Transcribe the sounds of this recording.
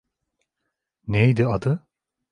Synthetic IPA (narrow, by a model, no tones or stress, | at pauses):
nejd̪iad̪ɯ